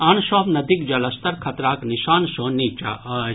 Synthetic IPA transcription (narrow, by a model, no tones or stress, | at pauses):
ɐnʃɔːpnɐd̪ik̚d͡ʒɐlɐst̪ɐɾkʰɐt̪ɾaːkniʃaːnʃoːniːt͡ʃa̰ʔɐ